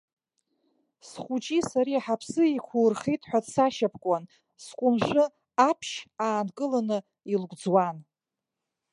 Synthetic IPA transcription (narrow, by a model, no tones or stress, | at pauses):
sχʷut͡ʃʼisaɾiaħapʰsɨikʷʰurχejtʼħʷᶣatsaʃapʰkʷʼan | skʷʼʊmʐʷɨ | apʰʃaːnkʼɨlanɨ | ilɡʷʼd͡zwan